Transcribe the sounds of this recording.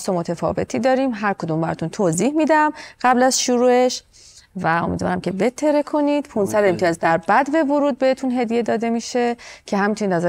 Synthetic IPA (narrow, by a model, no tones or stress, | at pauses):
st̪omot̪ʰefɒ̰ːve̞t̪ʰiːd̪ɒːɾiːmɦæɾkʰod̪uːmbæɾɒ̰t̪ʰunt̪ʰoziːhmiːd̪æmɢ̥æblæzʃuɾuːe̞ʃ | væo̞mḭd̪vɒ̰ɾæmcʰe̞be̞t̪ʰːe̞ɾekʰo̞nid̪̥pʰunsæd̪e̞mt̪ʰijːzd̪æɾbæd̪be̞voɾuːd̪̚behet̪ʰunɦe̞d̪ije̞d̪ɒːd̪e̞miʃe̞cʰe̞ɦæmint̪ʰunid̪næz